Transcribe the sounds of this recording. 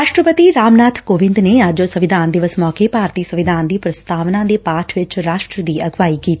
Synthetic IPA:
ɾaːʃʈɾəpət̪iɾaːmnaːt̪ʰkoːʋɪ̃nd̪neːad͡ʒosəʋɪd̪ʱaːnd̪ɪʋəsmɔːkepaːɾt̪iːsəʋɪd̪ʱaːnd̪iːpɾəst̪ʰaːʋnãːd̪eːpaːʈʰʋɪt͡ʃɾaːʃʈɾəd̪iːɐɡʋaːikiːt̪i

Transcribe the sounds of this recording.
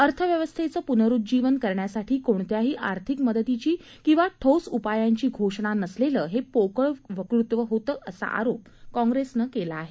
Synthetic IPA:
əɾt̪ʰəʋjəʋəst̪ʰet͡səːpunəɾut̪̚d͡ʑiʋənkəɾɳjasaʈʰiːkoɳ̃t̪jaɦiːʔaɾt̪ʰikməd̪ət̪it͡ɕiː | kĩw̃ʋaʈʰowsupajaɲt͡ɕiːɡʱoʂɽ̃anəsleləːɦepokəɭʋəkɾut̪ʋəɦot̪əːʔəsa̰ʔa̰ɾop | kɔ̃ŋɡɾesnəkelaːɦe

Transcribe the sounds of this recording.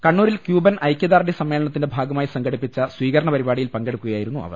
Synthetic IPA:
kɐɳːuːɾilkjuːbɐnʔɐjkʲjɐd̪aːrɖisɐmːeːlɐɳɐt̪ːindebʱaːɡɐmaːjisɐŋɡɐɽipːit͡ɕːɐswiːkɐɾɐɳɐpɐɾibaːɽijilpɐŋɡe̞ɽukːuɣɐjaːjiɾunːuʔɐ̰ʋɐ̰r

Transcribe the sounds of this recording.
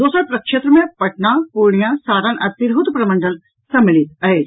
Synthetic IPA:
d̪oːsəɾpɾɐkʃeːt̪ɾəmẽpɐʈnapuːɾɳ̃ijãsaːɾanʔɐt̪iɾɦut̪pɾɐmə̃ɳɖəl | sɐmːɪlit̪̚ɐɦeːd͡ʒ

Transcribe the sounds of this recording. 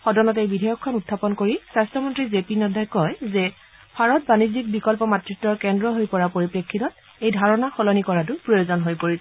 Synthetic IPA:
xɔdɔnɔtejbidʱajɔkʰːɔnutʰːapɔnkoɹisastɔmɔntɹizepinɔdʱajkɔjzɛ | bʰʱaɹɔtbanizik̚bikɔlpɔmatɹitːɔɹkɛndɹɔɦojpɔɹapoɹipɹekʰːitɔt | ejdʱaɹɔnaxɔlɔnikɔɹatʊpɹojozɔnɦojpoɹi

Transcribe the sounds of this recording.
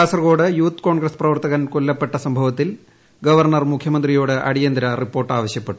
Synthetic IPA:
aːsɐrɣo̞ːɽɨjuːt̪ːko̞ːɳɡɾɐsprɐʋɐrt̪ɐɣɐnkolːɐpːeʈːɐsɐmbʱɐʋɐt̪ːil | ɡɐʋɐrɳɐrmukʰjɐmɐnd̪rijoːɽɨʔɐ̰ɽijɐnd̪ɾɐripːo̞ːrʈːaːʋɐɕjɐpːe̞ʈːu̥

